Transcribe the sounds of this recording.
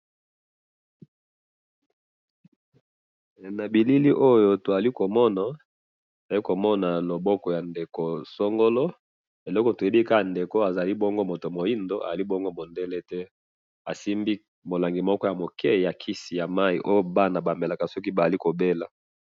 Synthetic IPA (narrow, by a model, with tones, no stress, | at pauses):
na˨bi˨li˦li˦ʔo˦jo˦to˨za˨li˦ko˨mɔ˦na˨ | to˨a˨li˦ko˨mɔ˦na˨lo˨bɔ˦kɔ˨ja˨nde˨ko˨so˦ŋɡo˦lɔ˦ | e˨lɔ˦kɔ˨to˨je˦bi˦ka˦a˨nde˨ko˦a˨za˨li˦bɔ˦ŋɡo˦mo˨to˨mo˨i˦ndo˦a̰˨a˨li˦boɔ˦ŋɡo˦mo˨nde˦lɛ˦tɛ˦ | a˨si˦mbi˦ | mo˨la˨ŋɡi˨mɔ˦kɔ˦ja˨mo˨kʰɛ˦˨ja˨kʰi˦si˨ja˨ma˦i˨ʔo˦jo˦ba˦na˨ba˨me˨la˨ka˨sɔ˦ki˦ba˨a˨li˦ko˨be˦la˨